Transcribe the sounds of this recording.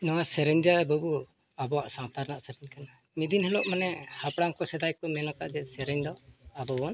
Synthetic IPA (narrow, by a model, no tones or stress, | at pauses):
nɔwasɛɾɛɲd̪ijabɔbu | abɔwaʔsawt̪aɾnaʔsɛɾɛɲkana | mid̪inhɛlɔʔmanɛhapɽaŋkɔsɛd̪ajkɔmɛnɔka̰ʔd͡ʒɛsɛɾɛɲd̪ɔabɔbɔn